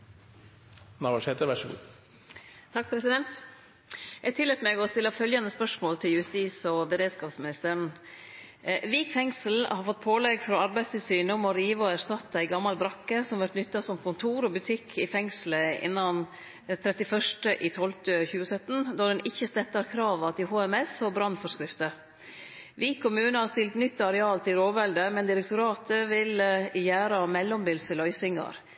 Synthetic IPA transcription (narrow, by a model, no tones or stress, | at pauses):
nɑʋɑʂeːt̪əɾʋæʂɔɡṵː | t̪ʰɑk̚pʰɾɛsɪd̪ɛnt̪ | jæt̪ʰɪlːɛt̪meːɡɔst̪ɪlːəfœljɑnd̪əspœʂmoːlt̪ʰɪljʉst̪iːsɔbəɾeːd̪skɑːpsmɪnɪst̪əɾɳ̩ | ʋiːkfɛŋsəl̩hɑɾfɔt̪̚ːpʰoːlɛɡfɾɔːɑɾbæɪst̪ɪlsyːnəɔmɔɾiːʋɔæɾʂt̪ɑt̪ːæɪɡɑmːɑlbɾɑkːəsɔmʋæɾʈ̪nʏt̪ːɑsɔmkʊnt̪ʰuːɾɔbʉt̪ʰɪkʰːɪfɛŋsləɪ̰nːɑn | t̪ʰɾɛt̪ɪfœʂʈəʔiːt̪ʰɔlt̪əçʉːəsœt̪ːnd̪ɑd̪ɛnʔɪçːəst̪ɛt̪ːɑɾkʰɾɑːʋɑt̪ɪhoːɛmɛsɔbɾɑnfɔɾʂkɾɪft̪ə | ʋiːkʰːʊmʉːnəhɑɾst̪ɪlt̪nʏt̪ːɑɾɛɑːlt̪ʰɪlɾoːʋɛld̪əmɛnd̪ɪɾɛk̚t̪ʊɾɑːt̪ʰəʋɪljæːɾɑmɛlːɔmbɪlsəlœʏsɪŋɑ̰ɾ